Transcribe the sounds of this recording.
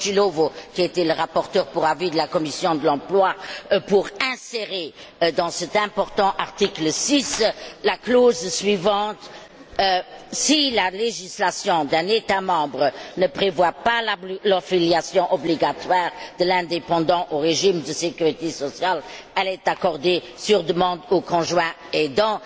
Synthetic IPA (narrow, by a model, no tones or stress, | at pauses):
tilovokʲiet̪ɛləʁapɔʁt̪œːʁpuʁavid̪əlakɔmisjɔ̃d̪əlɑ̃plwapuʁɛ̃seʁe | d̪ɑ̃sət̪ɛ̃pɔʁt̪ɑ̃ʔaʁt̪ikləsislakloːzsɥivɑ̃t̪ | silaleʒislasjɔ̃d̪ɛ̃net̪amɑ̃ːbʁənəpχevwapallɔʁfiljasjɔ̃ʔɔbliɡat̪waːʁd̪əlɛ̃d̪epɑ̃d̪ɑ̃ʔoʁeʒimd̪əsekyʁit̪esɔsjalɛlɛt̪akɔʁd̪e | syʁd̪əmɑ̃d̪okɔ̃ʒwɛ̃ | ɛd̪ɑ̃